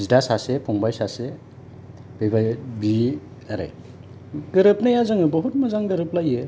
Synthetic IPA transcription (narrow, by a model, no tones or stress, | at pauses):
zidasasepʰɔŋbajsase | b̥ebajbi | aɾḛ | ɡɯɾɯp̚najazɯŋɯbɔɦut̚mɯzaŋɡɯɾɯp̚lajɯ